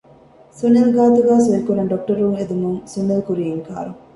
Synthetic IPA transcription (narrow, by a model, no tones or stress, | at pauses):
sunːɐlɡaːt̪uɡaːsʋeɾikunɐɖok̚ʈɐɾuŋed̪umuŋsunːɐlukuɾijŋka̰ːɾuŋ